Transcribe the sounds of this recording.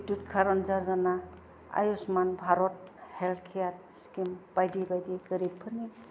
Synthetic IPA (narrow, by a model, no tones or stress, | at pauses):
tutkʰaɾɔnzaɾzana | a̰jusmanbʱaɾɔt̚helt̪ʰkʰijat̚ | skimb̥ajdibajdiɡəɾipʰːɯni